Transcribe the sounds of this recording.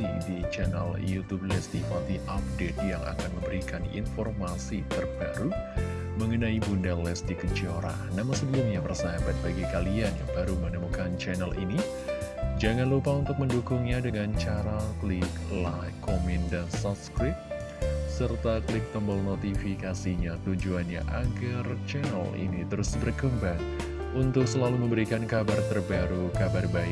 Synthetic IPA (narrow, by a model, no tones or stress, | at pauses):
ḭdit͡ʃɛna̰ljut̪ub̚lɛsdifat̪iʔap̚det̪̚jaŋʔa̰kanməmbəɾikanḭnfɔrmasit̪ərbaɾu | məŋənaibundalɛsdikət͡ʃioɾa̰ | namasəbəlʊmɲapərsaaban̚baɡikalianja̰ŋbaɾumənəmukant͡ʃɛnalʔḭni | d͡ʒaŋanlupaunt̪ʊk̚məndukʊŋɲadəŋant͡ʃaɾaklɪklakomindansɔpskɾɪt̪̚ | sərt̪aklɪk̚t̪əmbəlnot̪ifikasiɲat̪uɲd͡ʒuanɲa̰ʔaɡart͡ʃɛnə̰lḭnit̪əɾʊsbərkəmbaŋ | unt̪ʊk̚səlaluməmbəɾikankabart̪ərbaɾukabarbaɪ